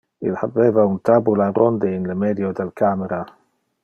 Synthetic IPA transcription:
ɪ̰lħabːɛvawnt̪ʰabulaɾɔnd̪ɪnləmɛd̪jod̪alkʰamɛɾa

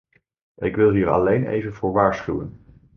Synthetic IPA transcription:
ɪkʋɪlˠɦiːɹɑ̰lejnḛjvənvʊːɹʋaːɹsχywən

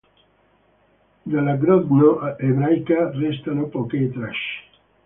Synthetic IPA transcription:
d̪alaɡɾɔd̪noʔʔeβɾajkarest̪anopoket̪ɾaʃ

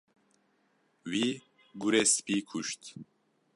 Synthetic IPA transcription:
wiː | ɡuɾeːspiːkʰuʃt̪

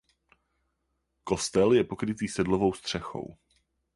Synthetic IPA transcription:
ko̞st̪ɛljɛpo̞kɾɪt̪iːsɛdlovo̞wst̪r̝̥ɛxo̰w

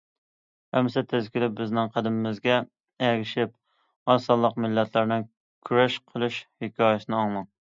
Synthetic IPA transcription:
hɛmsɛt̪ʰɪzkʲilɪp̚bɪznɪŋqʰæd̪ɪmɪmɪzɡʲɛ | ɛɡʲɪʃɪp | ɑsɑlˠːəqmɪlːɛt̪ʰlæɾnɪŋ | kʲʰyɾɛʃqʰəlˠuʃhɪkʲʰɑːjɛsɪnɪɑŋmˠɑŋ

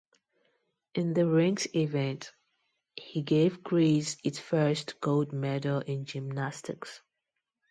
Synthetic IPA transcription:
ʔɪ̃nðəɹɪ̃ŋsivɛ̃nt | hiɡeɪvɡɹisɪtsfɜ˞stɡ̥oʊldmɛɾəlɪ̃nd͡ʒɪmnastɪ̰ks

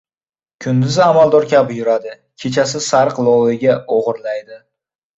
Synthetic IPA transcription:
kʲʰʊnd̪ɪzamalˠd̪ɒɾkʲabɪjʊɾad̪ɪ | kʲʰe̞t͡ʃʰasɪsaɾqlˠɒwɪɡʲaoʁɨɾlajd̪ɪ

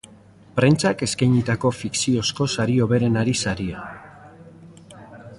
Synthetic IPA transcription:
pɾe̞nt͡sake̞skajɲit̪ako̞fiksio̞sko̞saɾio̞βe̞ɾe̞naɾisaɾia

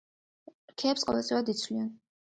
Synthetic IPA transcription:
ɾkʰɛːpsqʼɔvɛlˠt̪ʼiwad̪it̪sʰwlian

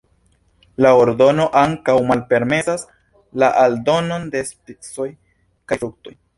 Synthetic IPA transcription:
laoɾdo̞no̞ʔaŋkawmalpe̞ɾme̞sas | laʔaldo̞no̞nde̞spit͡so̞j | kafɾuk̚to̞j

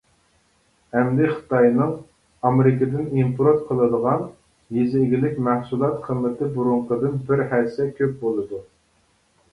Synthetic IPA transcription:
hɛmd̪ɪχə̥t̪ɑjnɨŋ | ɑmeɾɪkʲəd̪ɪnimpʰɾot̪̚qʰəlˠɨd̪əʁɑn | jezɪːɡʲilɪkʲmæhsulˠɑt̪qʰəmːɪt̪ʰɪbuɾuɴqəd̪ɨnbɪɾhæɾsɛkʲʰøp̚bolˠɨd̪u

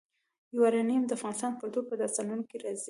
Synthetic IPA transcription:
jwaɾanijmd̪əafɣɑnɪst̪ɑnpət̪opəd̪ɑst̪ɑnunokeɾɑzi

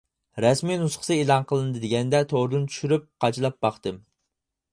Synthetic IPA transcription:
ɾɛsmijnusχə̥ɨelˠɑnqʰəlˠɨnɨd̪ɨd̪ɪɡʲɛnd̪ɛt̪ʰoɾɨd̪unt͡ʃʰy̥ʃyɾyp̚qʰɑt͡ʃʰilˠɑp̚bɑχt̪ɨm

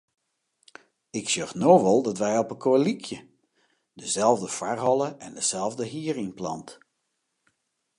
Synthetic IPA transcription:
ɪksøxnoːʋɔlˠdɔtʋɛjɔpəkʰoəlikʰjə | dəzɛlˠvdəfarɦɔlˠəʔɛndəz̥ɛlˠvdəɦiːərɪŋplɑ̰nt

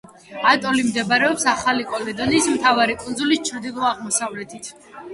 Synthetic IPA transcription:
at̪ʼɔlimd̪ɛbaɾɛɔpsaχalikʼɔlɛd̪ɔniːsmt̪ʰavaɾikʼunzulist͡ʃʰɾd̪ilˠɔaʁmɔsavlɛt̪ʰit̪ʰ

